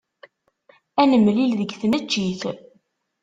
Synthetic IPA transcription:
ænəmːlilðəɡθnæt͡ʃːiθ

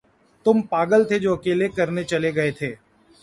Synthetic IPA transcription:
t̪ʊmpaːɡəlt̪ʰed͡ʒoːɐkeːlekɐɾnet͡ʃɐleɡɐet̪ʰeː

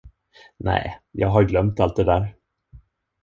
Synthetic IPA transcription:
nɛ̰ːjɑːɡɦaɾɡlœmt̪alt̪̚d̪ɛd̪æːɾ

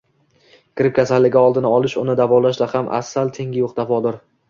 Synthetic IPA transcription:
kʰʲɪɾɪp̚kʲʰasalːɪɡʲaɒlˠd̪ɪnɪɒlˠɪʃʊnɪd̪avɒlaʃd̪ahamʔa̰sːalt̪ʰe̞ŋɡʲɪjoq̚d̪afɒd̪ɪɾ

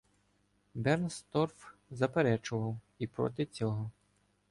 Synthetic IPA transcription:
bɛrnst̪ɔrfzɐpeɾɛt͡ʃʊʋɐw | ipɾɔ̰t̪ɪt͡sʲɔɦɔ

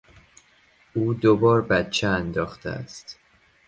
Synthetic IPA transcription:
ʔuːd̪obɒːɾbæt̪t͡ʃʰeænd̪ɒːxt̪ʰḛæ̰st̪

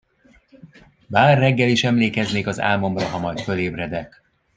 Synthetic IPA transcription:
baːrːɛɡːɛliʃɛmleːkɛzneːkɒza̰ːlmo̞mrɒɦɒmɒjt̪fø̞leːbrɛd̪ɛk

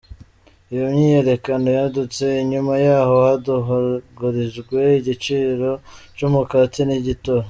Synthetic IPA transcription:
ijomɲiːje̞ɾe̞kano̞jadut͡se̞iɲumajaːho̞haduɦoɡuɾizɡwe̞iɟit͡ʃiːɾo̞t͡ʃumukatiniɟito

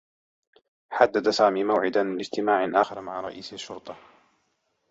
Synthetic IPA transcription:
ħad̪ːad̪asaːmiːmawʕɪd̪anmɪnɪd͡ʒt̪ɪmaːʕɪnʔaːxɪɾmaʕaɾˤɑ̰ʔiːsaʃːʊɾt̪ˤɑ

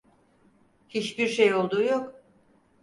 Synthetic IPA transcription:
hit͡ʃbiɾʃejo̞lˠd̪uːjok

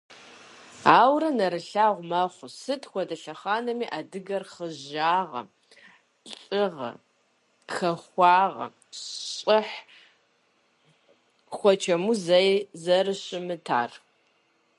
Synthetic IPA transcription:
aːwrɐnɐɾɨɬaːʁʷmɐχʷʊsɨtʰxʷɔdɐɬɐχaːnɐmiːʔadɨɡɐrχəʒaːʁɐ̰ | ɬʼɪʁɐ̰ | xɐxʷɑːʁɐ̰ | ɕʼɪħ | xʷɔt͡ʃʰɐmuzɐjzɐrɨɕʼɪmɨtʰa̰ːr

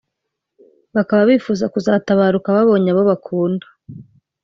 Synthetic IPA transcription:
βakaβaβifuːzakuzaːtaβaːɾukaβaβo̞ːɲaβo̞βakʰuːndḁ

